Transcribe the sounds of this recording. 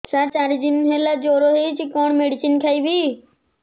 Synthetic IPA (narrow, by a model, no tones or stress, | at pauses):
saːt͡ɕaːɾid͡ʑinɦelad͡ʑoːɾoɦet͡ʃikoːɳ̃meːɽɪsɪnkʰaiʋiː